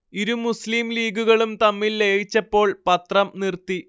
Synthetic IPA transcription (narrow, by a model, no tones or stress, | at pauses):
iɾumusliːmliːɡuɣɐɭumt̪ɐmːilːeɻit͡ɕːɐpːo̞ːɭpɐt̪rɐmnirt̪ːi